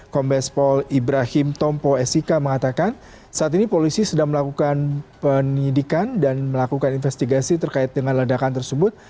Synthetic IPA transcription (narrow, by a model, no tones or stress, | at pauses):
kɔmbɛspɔlibɾahɪmt̪ɔmpoɛsikaməŋat̪akan | saʔat̪inipolisisədaŋməlakukanpənidikandanməlakukaninfɛst̪iɡasit̪ərkaɪt̪̚dəŋanlədakant̪ərsəbʊt̪̚